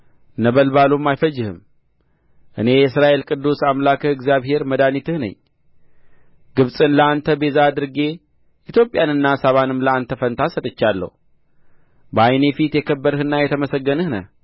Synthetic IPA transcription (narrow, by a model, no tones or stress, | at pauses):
nəβəlbalumːajfəd͡ʒːɪhɨ̰m | ʔɨ̰ne̞jɛsɾaʔe̞lkʼɨd̪ːusamlakʰɨɨɡzijaβɦe̞ɾməd̪anit̪ʰɨhnə̰ɲː | ɡɨβsʼɨnləant̪ʰəbe̞zaːd̪ɨɾɡe̞ | ʔit̪ʰjo̞pʼjanɨnːasaβanɨmləant̪ʰəfənt̪ʰasət̪ʼɨt͡ʃːalːə̰hu | bəajne̞fit̪jɛkʰəbːəɾɨhɨnːajɛt̪ʰəməsəɡːənɨhnə̰